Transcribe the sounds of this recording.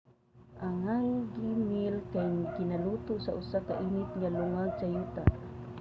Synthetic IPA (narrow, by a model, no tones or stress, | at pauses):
ʔaŋajɡimilkajɡɪnalut̪ʊsaʔʊsakaʔinɪt̪̚ŋalʊŋaɡ̚sajuːt̪a̰ʔ